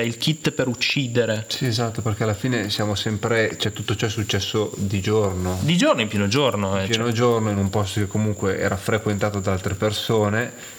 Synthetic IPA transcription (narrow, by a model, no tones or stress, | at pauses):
ilk̟it̪ːpeɾut͡ʃːiːd̪eɾesiezat̪ːoperk̟ealːafiːnesjaːmosɛmpɾet͡ʃɛt̪ːut̪ːot͡ʃɔɛsːut͡ʃːɛsːod̪id͡ʒornod̪id͡ʒornoimpjɛːnod͡ʒornoiɛmpjɛːnod͡ʒornoinumpɔst̪okekːomuŋkweʔɛ̰ːɾafɾekwent̪aːt̪od̪aalt̪ɾepersoːne